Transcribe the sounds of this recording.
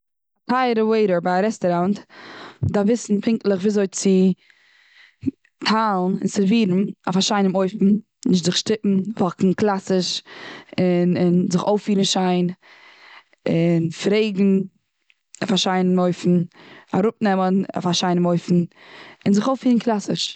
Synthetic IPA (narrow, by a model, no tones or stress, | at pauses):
tʰaɪɾəweɪɾəɾbaaɾɛstɔɾant | davɪsn̩pʰɪŋklˠəχviːazoɪt͡sɪ | tʰaːlˠn̩ɪ̰nsɪviːɾn̩a̰faʃaɪnəmoɪfn̩ | nɪʃ̬tzɪχʃtɪpm̩vɔkŋ̩klˠasɪʃ | ɪnɪnzɪχoʊfiːɾn̩ʃaɪn | ɪnfɾeɪɡŋ̩ | afaʃaɪnəmoɪfn̩aɾʊpnɛməna̰faʃaɪnəmoɪfn̩ | ɪnzɪχoʊfiːɾn̩kʰlˠasɪʃ